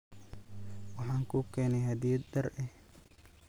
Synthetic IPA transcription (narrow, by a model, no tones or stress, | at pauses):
wɑħɑːŋkʰuːkʰɛːnɛjhɐd̪iːd̪ɐrɛh